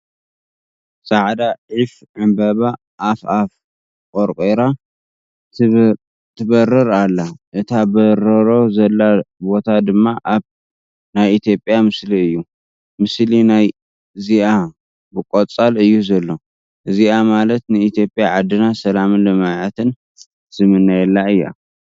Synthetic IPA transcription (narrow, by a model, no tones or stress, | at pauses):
sʼaʕd̪aʕif | ʕɨmbɐβa | ʔːfaf | kʼoɾkʼeɾa | t̪ʰɨbɐrɨɾalːaʔɨt̪ʰabɐɾɐɾo̞zɐlːabo̞t̪ʰad̪ɨmːaʔaβ | najit̪ʰjo̞pʼjamɨsliɨjːu | mɨslinaj | ziʔa | bɨkʼot͡sʼalɨjːuzɐlːo̞ | ʔɨziʔamalɐt̪nɨit̪ʰijo̞pʼjaʕad̪ːɨnasɐlamɨnlɨmaʕɨt̪ʰɨn | z̥ɨmɨnːajɛlːaɨjːa̰